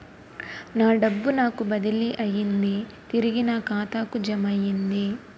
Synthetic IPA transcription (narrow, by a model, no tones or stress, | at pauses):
naːɖɐbːunaːkubɐd̪iliʔɐjːind̪i | t̪iɾiɡinaːkaːt̪aːkud͡ʒɐmɐjːind̪i